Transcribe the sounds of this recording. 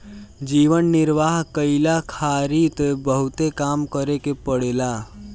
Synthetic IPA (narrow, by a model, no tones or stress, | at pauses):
d͡ʒiːʋənːɪɾʋaːɦkəɪlakʰaːɾit̪ebəɦut̪ekaːmkəɾekepəɽela